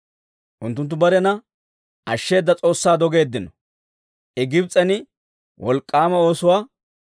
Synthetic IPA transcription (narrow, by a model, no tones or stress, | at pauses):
ʔʊnt̪ːʊnt̪ːʊbɐɾɛnɐ | ʔɐʃːe̞ːd̪ːɐt͡sʼo̞ːsːaːd̪ɔɡe̞ːd̪ːɪnɔ | ʔɛɡɪbt͡sʼːɐnɪ | wɔlkʼːaːmɐo̞ːsʊwaː